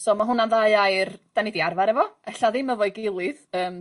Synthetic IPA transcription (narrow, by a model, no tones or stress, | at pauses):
sɔːmaɦʊnanðaɨajrd̥anidiarvaɾɛvɔɛɬaðɪməvɔjɡelˠɨðəːm